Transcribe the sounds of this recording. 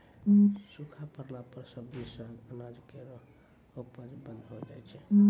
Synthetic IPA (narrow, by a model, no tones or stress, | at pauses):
sukʰapəɾlapəɾsəbisəənad͡ʒkeɾo | opəd͡ʒbənd̪ʱɦod͡ʒajt͡ʃʰɛ